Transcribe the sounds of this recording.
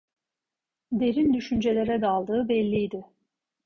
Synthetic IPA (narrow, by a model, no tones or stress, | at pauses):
d̪e̞ɾind̪yʃynd͡ʒe̞lʲe̞ɾɛd̪alˠd̪ɯːbɛlʲːijd̪ɪ